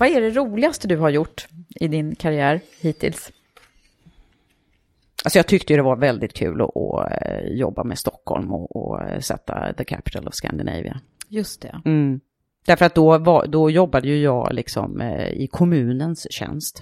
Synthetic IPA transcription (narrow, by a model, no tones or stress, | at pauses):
vaæɖɛɾuːlɪast̪əd̪ɵɦaɾjʊʈːɪd̪ɪnkʰaɾɪæːɾ | hiːt̪ʰɪ̰ls | alsɔjɑːt̪ʰʏk̚t̪əjɵd̪ɛvaɾvɛld̪ɪt̪̚kʰʉ̟ːlɔʔɔjɔbːamɛst̪ɔkʰːhɔ̰lmɔʔɔsɛt̪ʰːaðəkʰæpɪ̥t̪ʰəlɔvskæ̰nd̪ɪnḛjvɪ̰a | jɵst̪ɛ | d̪æɾfəɾat̪̚d̪ɔvad̪ɔjɔbːad̪əjɵjɑːɡlɪksɔ̰mɪ̰kʰɔmʉ̟ːnənsɕɛ̰nst̪